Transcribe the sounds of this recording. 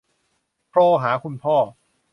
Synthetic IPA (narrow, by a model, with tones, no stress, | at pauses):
pʰɾɔː˥˧˩ɦaː˩˦kʰu˧npʰɔː˥˩